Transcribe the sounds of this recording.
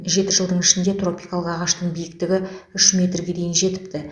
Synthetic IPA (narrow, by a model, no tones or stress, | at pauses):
ʒe̞t̪ɪʒəlˠd̪əɴɪʃɪnd̪e̞t̪ro̞pʲijkalˠəqɑʁɑʃt̪əɴbijɪk̚t̪ɪɡʲɪʏʃmʲe̞t̪rɡʲe̞d̪e̞jɪnʒe̞t̪ɪ̥pt̪ɪ